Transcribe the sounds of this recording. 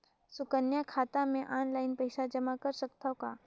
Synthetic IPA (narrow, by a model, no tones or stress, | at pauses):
sʊkənjakʰaːt̪amẽʔaːnlaːɪnpɛɪʃad͡ʒɐmakɐɾsəkt̪aka̰ː